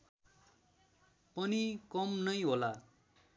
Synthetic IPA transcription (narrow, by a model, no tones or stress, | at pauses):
pʌnikʌmnʌjɦola